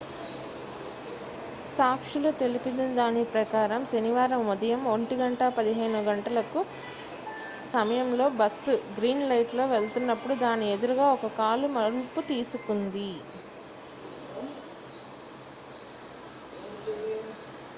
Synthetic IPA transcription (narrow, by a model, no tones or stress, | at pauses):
saːkʂulut̪e̞lipind̪ɐnd̪aːnipɾɐkaːɾɐmsɐniʋaːɾɐmʋɐd̪ɐjɐmoɳʈiɡɐɳʈɐpɐd̪iɦɐjnuɡɐɳʈɐlɐku | sɐmɐjɐmlo̞ːbɐsuɡɾiːnlɐjʈlo̞ːʋeɭt̪unːɐpːuɽud̪aːnied̪uɾuɡaːɔkɐkaːlumɐɾuput̪iːsukund̪i